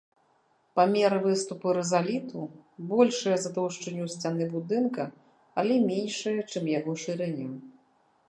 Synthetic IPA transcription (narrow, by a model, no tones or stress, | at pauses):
pamʲɛɾɨvɨst̪upɨɾɛzalʲit̪ubɔlʲʂɨjɐzad̪ɔʂt͡ʂɐnʲːusʲt͡sʲanɨbud̪ɨnkɐ | alʲɛmʲenʲʂɨjɐt͡ʂɨmjaɣɔʂɨɾɛnʲːɛm